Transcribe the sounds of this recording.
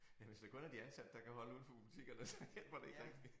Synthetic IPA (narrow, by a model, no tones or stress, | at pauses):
jæʋe̝sd̥ekʰɔ̽næɐd̥iænsæd̥ːɑ̈kæhɒ̽ləuð̰ˠfʰɒ̽pʰub̥it͡sʰiɡ̥ɐnəsɒjel̰b̥ɐd̥e̝e̝ɡ̥ʁɛɡ̥̚d̥i